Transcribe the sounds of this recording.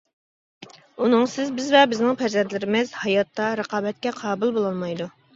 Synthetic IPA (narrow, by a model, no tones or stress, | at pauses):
unɨŋsɪzbɪzvɛbɪznɪŋpʰæɾzɛnt̪lɪɾɪmɪzhɑjɑt̪ʰːɑɾəqʰɑːbɛt̪̚kʲɛqʰɑːbulˠbolˠɑnˠmɑjd̪u